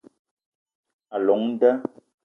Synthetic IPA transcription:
a˨lɔ˨˦ŋn̩˦də˦

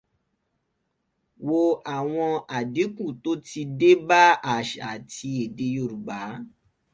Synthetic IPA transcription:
wo˧a˨w̃ɔ̃˧a˨di˨˦kũ˦˨to˦ti˧de˦ba˦a˦˨ʃa̰˨tʰi˧e˨de˧jo˧˨ɾu˨ɡ͡ba˨˦

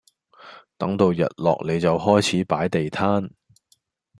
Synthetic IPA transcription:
t̪ɐ˨˥ŋt̪o˨˧wjɐ̰˨t̚lɔ̰ː˨k̚le˨˧jt͡sɐ˨whɔː˥jt͡sʰiː˨˥paː˨˥jt̪e˨jt̪ʰaː˥n

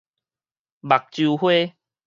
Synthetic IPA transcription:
ba˨k̚t͡ɕu˧hwe˦

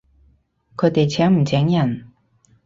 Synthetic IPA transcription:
kʰɤː˨˧˥t̪e˨˩t͡ɕʰɛː˨˥ŋm̩˨˩t͡ɕɛː˨˥ŋjɐ˨˩n

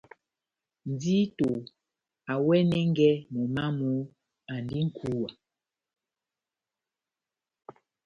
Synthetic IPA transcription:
n˨˦di˦to˨ | a˨wɛ˦nɛ˦ŋ˦ɡɛ˦mɔ˨ma˦mu˨˦ | a˨ndi˦ŋ̩˨kʰu˦wa˨

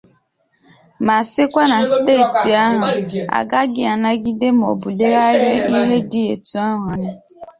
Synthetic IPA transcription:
ma˨sɪ˦kʷa˦na˨steː˦˨ti˨a˦ɦʊ˨a̰˨ɡa˦ɡɪ˦a˨na˦ɡi˦de˦m̩˨o̰˨bu˨le˦ɣa˦ɾe˦i˦ɦe˦di˦e˨tu˦a˦ɦa˨ɲɪ˦

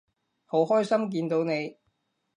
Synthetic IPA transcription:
ho˨˥whɔː˥jsɐ˥mk̬iː˧nt̪o˨˧wne˨˧j

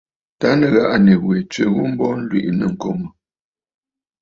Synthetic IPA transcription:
ta˦nə˨ɣa˦˨ʔa˨ne˨we˨t͡ʃɥə˨ɣu˦m̩˦bɔ˦n̩˦lwḭ˨ʔnə˨ŋ̩˨ko˦˨mə˨

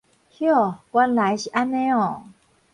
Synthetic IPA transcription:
hjɔ˥˦˨kwa˦nla˨˦jɕi˨ʔa˦nẽ˦ɔ˨

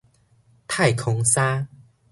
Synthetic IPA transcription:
t̪ʰa˥˨jkʰɔ˧ŋsa˦

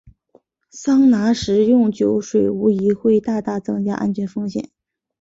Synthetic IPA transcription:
sɑ˥ŋna˧˥ʂɻ̩˧˥jʊ˥˩ŋt͡ɕjo˧˥ʊʂwe˨˩ɪu˧˥i˧˥xwe˥˧ɪt̪a˥˧t̪a˥˩t͡sɤ˥ŋt͡ɕja̰˥ʔa̰˥nt͡ɕʰɥɛ˧˥nfɤ˥ŋɕjɛ̰˨˩˦n

